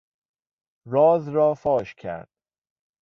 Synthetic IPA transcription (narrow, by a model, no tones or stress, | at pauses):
ɾɒːzɾɒːfɒːʃcʰæ̰ɾd̪̥